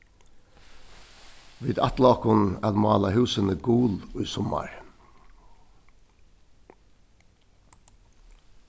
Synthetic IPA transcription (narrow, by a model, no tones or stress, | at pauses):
ʋiːd̪ɑt̪lɑːkʊnɛlmɑːlɑhʉːsənəɡuːlʉːsɔmɑ̰ɹ